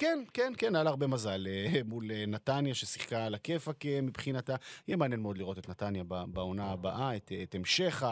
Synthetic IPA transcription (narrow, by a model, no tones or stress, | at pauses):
kenkenkenajalaʁbe̞mazalmulenatanjaʃesi̥χkalakefakemibχinatajɛmeanjenmeo̞d̪liʁo̞tet̪natanjababao̞naabaʔaet̪ːtemʃe̞χa